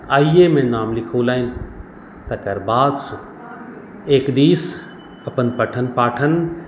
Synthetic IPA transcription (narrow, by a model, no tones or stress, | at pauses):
aːiemẽnaːmlɪkʰoːlaːinɪ̆ | t̪ɐkɐɾbaːd̪s | eːkd̪iːs | ɐpənpɐʈʰənpaːʈʰən